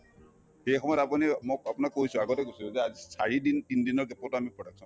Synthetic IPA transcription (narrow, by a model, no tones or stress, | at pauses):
xejxɔmɔjɔtapunimokapunakːojsʊ̃aɡɔtɛkojsilzɛazisa̰ɹidintindinɔɹkɛpɔtʊamipɹɔdak̚sɔn